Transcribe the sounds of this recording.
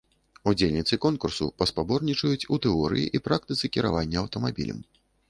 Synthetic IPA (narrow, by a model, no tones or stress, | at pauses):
ud͡zʲelʲnʲit̪sɨkɔnkursṵpɐspabɔrnʲit͡ʂɐjut͡sʲut̪ɛɔɾɨ̰jḭʔipɾak̚t̪ɨt̪sɨkʲiɾa̰vanʲːɐɐwt̪ɐmabʲḭlʲɐ̰m